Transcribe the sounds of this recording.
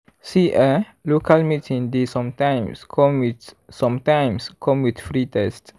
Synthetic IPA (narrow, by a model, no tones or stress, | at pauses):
siʔa | lokʰalmitʰĩŋdesɔ̃mtãjmskʰɔ̃mwit | sɔ̃mtãjmskʰɔ̃mwit̪fɹitɛst